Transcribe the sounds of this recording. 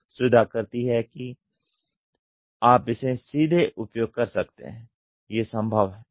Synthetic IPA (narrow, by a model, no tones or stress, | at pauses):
sʊd̪ʱakɐɾt̪iɦɛki | aːpɪsẽsiːd̪ʱeʔʊpjoːɡ̚kɐɾsɐk̚t̪ḛɦɛ̃ː | jesə̃mbʱəʋɦɛː